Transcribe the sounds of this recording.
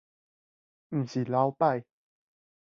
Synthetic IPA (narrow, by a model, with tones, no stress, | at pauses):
m̩˨˩ɕi˨˩la˧˦wpa˥˧j